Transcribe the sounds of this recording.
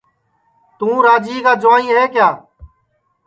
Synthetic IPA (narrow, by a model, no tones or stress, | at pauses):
t̪ũːɾaːd͡ʒiːkaːd͡ʒʊʋãːnĩːɦeːkjaː